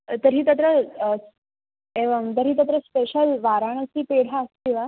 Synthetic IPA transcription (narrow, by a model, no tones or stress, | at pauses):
t̪əɾɦiːt̪ət̪̬ɾə | eʋəmt̪əɾɦiːt̪ət̪̬ɾəspeɕəlʋaɾaɳ̃əsiːpeɽ̤aəsk̪iʋa